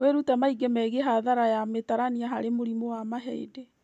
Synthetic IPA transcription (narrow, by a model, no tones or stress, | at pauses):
eɾutamaiɡɛmɛɣeɦaðaɾajametaɾaniaɦaɾemoɾimowamaɦɛ̰ḭde